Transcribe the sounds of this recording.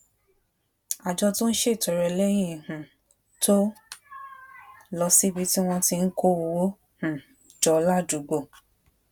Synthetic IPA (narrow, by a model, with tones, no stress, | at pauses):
a˨d͡ʒɔ˧to˦n̩˦ʃe˦˨tɔ˨ɾɛ˨lɛ˦j̃ĩ˦˨hũ˨ | tʰo˦ | lɔ˧si˦bi˧ti˦w̃ɔ̃˧ti˧n̩˦ko˦o˧wo˦ | h̩˨ | d͡ʒɔ˧la˦˨d͡ʒu˨ɡ͡bo˨